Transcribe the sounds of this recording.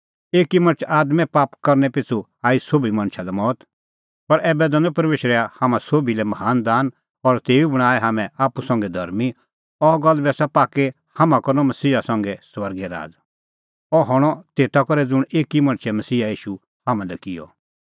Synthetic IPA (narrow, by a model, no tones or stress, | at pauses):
eːkimɐ̃ñt͡ʃʰaːd̪mɛ̃paːpkɐɾnɛpɪt͡sʰuaːisoːbimɐ̃ñt͡ʃʰalɛmɔːt̪ | pɐɾɛːbɛd̪ɐ̃nũpɐɾmeːʃɾɛahaːmãsoːbilɛmɐɦaːnd̪aːn | ɔɾt̪eːubɐɽ̃aːɛɦaːmɛ̃aːpusɐ̃ŋɡɛd̪ʱɐ̰ɾmi | ɔɡɐlbɛːsapaːke | hamãkɐɾnɔ̃mɐsiːasɐ̃ŋɡɛsʋɐɾɡɛɾa̰ːd͡z | ɔɦɔɽ̃ɔt̪eːt̪akɔɾɛd͡zʊɽ̃eːkimɐ̃ɽ̃t͡ʃʰɛmɐsiːaiːʃu | haːmãd̪ɛkɪjɔ̰